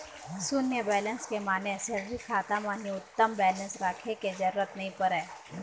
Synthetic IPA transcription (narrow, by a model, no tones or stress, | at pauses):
sʊnjəbɛːlənskemaːneseɾɾikʰaːt̪amãːniʊt̪ːəmbɛːlə̃nsɾaːkʰeked͡ʒɐɾːət̪nɐɦĩpəɾɛː